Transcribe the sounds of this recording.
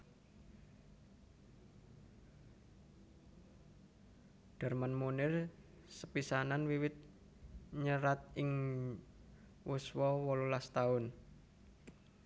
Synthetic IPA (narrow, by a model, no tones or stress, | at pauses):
ɖ̥a̤rmanmunɪr | səpisananwiwɪt̪̚ | ɲəɾat̪̚ɪŋ | wuswɔwɔlulast̪aʊn